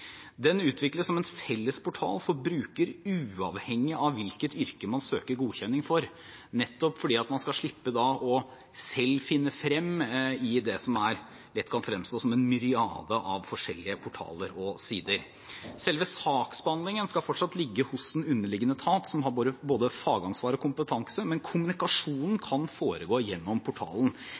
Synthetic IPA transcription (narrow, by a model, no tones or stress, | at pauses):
d̪ɛnʉːt̪ʰʋɪkləssɔmɛnfɛlːəspʊʈʰɑ̰ːlfɔɾbɾʉːkəɾʉːɑʋhɛŋːɪʔɑʋːɪlkət̪ʏɾkəmɑnsøːkəɾɡuːçɛnːɪŋfɔɾ | nɛt̪ːɔpfɔɖiːɑt̪mɑnskɑlʂɭɪpːəd̪ɑʔɔ | sɛlːfɪnːəfɾɛmːɪd̪ɛsɔmæɾ | lɛt̪ːkʰɑnfɾɛmst̪oːsɔmɛnmʏɾɪɑ̰ːd̪əʔɑʋfɔʂɛlːɪəpʰʊʈʰɑ̰ːləɾɔsiːd̪əɾ | sɛlʋəsɑːksbɑnlɪŋənskɑlfɔʈʂɑt̪lɪɡːəhʊsd̪ɛnʉnːəɭɪɡːənət̪ʰɑːt̪sɔmɦɑɾboːd̪əboːd̪əfɑːɡɑnsʋɑːɾɔkʰʊmpət̪ʰɑŋsəmɛnkʰʊmʉnɪkɑʂuːnn̩kʰɑnfoːɾəɡoːjɛnːɔmpʰʊʈʰɑ̰ːln̩